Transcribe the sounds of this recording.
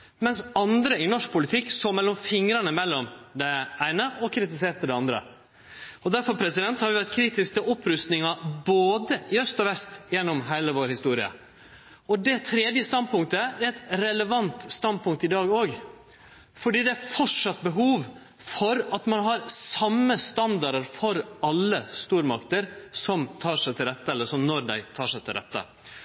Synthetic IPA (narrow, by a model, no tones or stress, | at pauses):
mɛnsɑnd̪ɾəɪnɔʂk̚pʰʊlɪt̪ʰɪkːsoːmɛlːɔmfɪŋɾɑnəmɛlːɔmd̪ɛæɪnəʔɔkʰɾɪt̪ɪs̬eːʈ̪əd̪ɛɑnd̪ɾə̰ | ɔd̪æɾfɔɾpʰɾɛsɪd̪ɛnt̪hɑɾʋɪʋæʈ̪kʰɾiːt̪ɪskk̪əʔɔpːɾʉst̪nɪŋɑboːd̪əɪœst̪ɔʋɛst̪jɛnːɔmɦæɪləʋoːɾhɪst̪uːɾɪə̰ | ɔd̪ɛt̪ʰɾeːd̪jəst̪ɑnd̪̚pʊŋk̚t̪əɛɾɛt̪ɾɛləʋɑnt̪st̪ɑnd̪̚pʊŋk̚t̪ɪd̪ɑːɡoːɡ | fɔɖiːd̪ɛæɾfɔʈʂɑt̪ːbəɦuːʋ | fɔɾɑt̪mɑnɦɑɾsɑmːəst̪ɑnd̪ɑɾəɾfɔɾɑlːəst̪uːɾmɑkt̪əɾsɔmt̪ʰɑːʂæɪt̪ʰɪlɾɛt̪ːəɛlːəɾʂɔmnɔɾd̪æ̰ɪt̪ʰɑːʂæɪt̪ʰɪlɾɛ̰t̪ːə̰